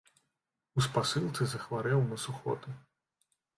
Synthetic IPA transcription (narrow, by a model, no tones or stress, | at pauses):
uspasɨlˠt̪sɨzɐxvaɾɛwnɐsuxɔ̰t̪ɨ